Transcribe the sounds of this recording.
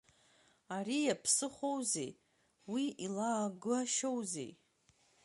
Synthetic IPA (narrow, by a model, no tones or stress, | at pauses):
aɾijapʰsɨχʷowzḛj | wiilaːɡɨaʃowzḛj